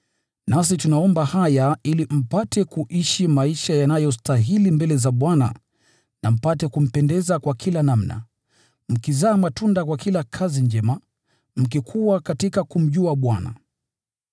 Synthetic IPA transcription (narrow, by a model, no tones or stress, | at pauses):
nas̬itunaɔmbahajailim̩patɛkuʔiʃimaiʃajanajɔstaɦilimbɛlɛzaɓwana̰ | nam̩patɛkum̩pɛndɛzakwakʰilanam̩na̰ | m̩kizaːmatundakwakilakʰaziɲd͡ʒɛma | m̩kikʰuwakatikakum̩ʄuaɓwana̰